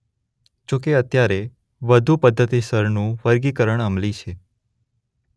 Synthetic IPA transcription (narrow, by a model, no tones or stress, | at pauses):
d͡ʒõk̬eət̪jaɾe | ʋəd̪ʱupəd̪ʱːət̪isəɾnũʋəɾɡikəɾəɳəmlit͡ʃʰe